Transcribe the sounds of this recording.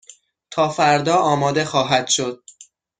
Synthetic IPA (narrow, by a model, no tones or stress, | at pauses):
t̪ʰɒːfæɾd̪ɒːɒːmɒːd̪e̞xɒːɦæd̪̥ʃo̞d̪̥̚